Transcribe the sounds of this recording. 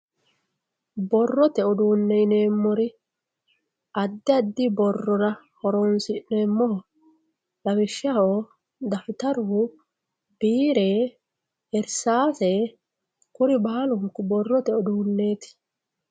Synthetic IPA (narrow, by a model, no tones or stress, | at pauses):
bɔrːɔt̪ɛɔd̪uːnːɛɪne̞ːmːɔɾɪ | ɐd̪ːɪɐd̪ːɪbɔrːɔɾɐ | hɔɾoːnsɪneːmːɔhɔ | lɐwɪʃːɐhoː | d̪ɐfɪt̪ɐɾʊ | biːɾeː | ɛɾsaːseː | kʊɾɪbaːlʊŋkʊbɔrːɔt̪ɛɔd̪uːnːe̞ːt̪ɪ̥